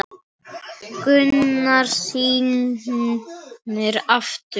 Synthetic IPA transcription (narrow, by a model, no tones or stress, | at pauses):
kʏnːaɾ̥siːn | ɪɾaft̪ʏ